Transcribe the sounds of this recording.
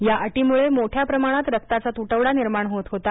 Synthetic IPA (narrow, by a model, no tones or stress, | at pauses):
jaʔəʈimuɭemoʈʰjapɾəmaɽ̃at̪ɾək̚t̪at͡sat̪uʈəʋɽaniɾmaɳɦot̪ɦot̪a